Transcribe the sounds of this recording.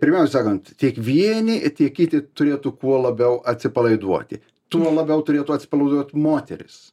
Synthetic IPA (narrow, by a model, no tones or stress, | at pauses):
pʲɪɾʲmʲɛʊsʲɛsɑːkɐnt̪tʲiɛkʋʲiɛnʲɪt̪ʲiɛkkʲɪt̪ʲɪt̪ʊɾʲeːt̪ʊkuɔlˠɐbʲɛʊʔɐt̪ʲsʲɪpɐlˠɐɪd̪uɔt̪ʲɪ̰ | t̪uɔlˠɐbʲɛʊt̪ʊɾʲeːt̪ʊɐt̪ʲsʲɪ̥pɐlˠɐɪd̪uɔt̪ʲmoːt̪ʲɛ̰ɾʲɪ̰s